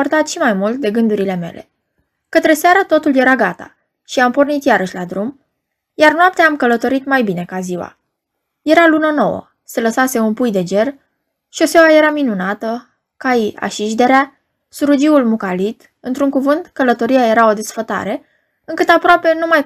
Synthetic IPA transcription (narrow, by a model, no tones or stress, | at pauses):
ort̪at̪ʃimajmult̪̚d̪e̞ɡɨnd̪uɾile̞me̞̰le̞̰ | kət̪ɾe̞saɾət̪o̞t̪ulje̞ɾaɡat̪a̰ | ʃiampo̞rnit̪jaɾəʃʲlad̪ɾum | jarnoap̚t̪eamkələt̪o̞ɾit̪majbine̞kaziwa̰ | je̞ɾalunəno̞̰wə̰ | se̞ləsase̞unpujd̪e̞d͡ʒe̞r | ʃio̞sewaje̞ɾaminunat̪ə | kaja̰ʃiʒd̪e̞ɾea | suɾud͡ʒiulmukalit̪ | ɨnt̪ɾuŋkuvɨnt̪kələt̪o̞ɾijaje̞ɾao̞d̪e̞sfət̪a̰ɾe̞ | ɨŋkɨt̪apɾoape̞numaj